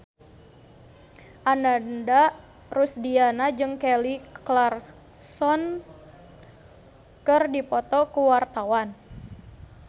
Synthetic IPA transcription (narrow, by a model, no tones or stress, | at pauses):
ʔanandaʔ | rusdianad͡ʒɨŋkɛliklar | sɔn | kɨrdipɔt̪ɔkuwart̪awan